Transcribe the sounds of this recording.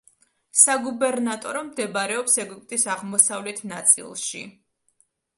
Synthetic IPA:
saɡubɛɾnat̪ʼɔɾɔmd̪ɛbaɾɛɔpsɛɡupʼt̪ʼisaʁmɔsavlɛt̪ʰnat̪sʼḭlˠʃḭ

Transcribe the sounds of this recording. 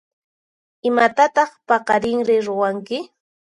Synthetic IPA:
ɪmat̪at̪ɑχpɑqɑɾɪŋɾɪɾʊwaŋkɪ

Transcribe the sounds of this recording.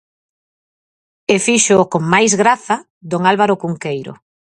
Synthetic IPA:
efiʃokoŋmajzɣɾaθa | d̪oŋalβaɾokuŋkejɾo̰

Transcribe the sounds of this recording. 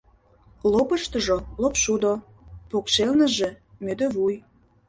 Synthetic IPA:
lopə̆ʃt̪ə̆ʒolopʃud̪o | pokʃelnə̆ʒĕmød̪ø̆βuj

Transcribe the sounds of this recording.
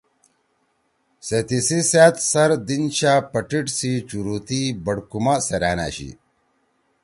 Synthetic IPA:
set̪isisaːt̪sɐɾd̪inɕaːpɐʈiʈsit͡ɕuɾuːt̪ibɐɽkumaseɾaːna̰ːɕḭ

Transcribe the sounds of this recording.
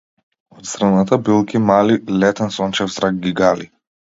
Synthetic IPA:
ɔt̪st̪ɾanat̪ʰabilˠkʲimalilɛt̪ɛnsɔnt͡ʃɛvzɾaɡ̚ɡiɡali

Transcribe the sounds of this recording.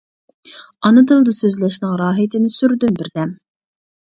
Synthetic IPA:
ɑnɨd̪ɨlˠd̪ɨsøzlɛʃnɪŋɾɑːɦit̪ʰɪnɪsyɾd̪ynbɪɾd̪ɛm

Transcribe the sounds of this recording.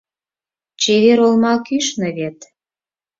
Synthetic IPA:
t͡ɕeβeɾolmɑkyʃnɤ̆βet̪

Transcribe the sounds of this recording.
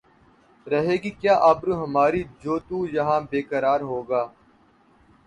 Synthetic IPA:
ɾəɦeːɡiːkjaːʔaːbɾũːɦəmaːɾiːd͡ʒoːt̪uːjəɦãːbeːkəɾaːɾɦoːɡaː

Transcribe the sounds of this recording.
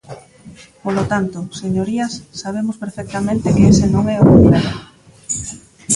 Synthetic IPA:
polot̪ant̪oseɲoɾiɐsːaβ̞emʊspeɾfɛk̚t̪amẽnt̪ekeesenõŋɛoɣβiðað

